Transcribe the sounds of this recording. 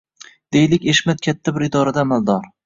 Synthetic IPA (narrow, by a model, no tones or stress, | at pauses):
d̪̥ejlɪkʲeʃmat̪̚kʲʰat̪ʰːabɪɾɪd̪ɒɾad̪aːmald̪ɒɾ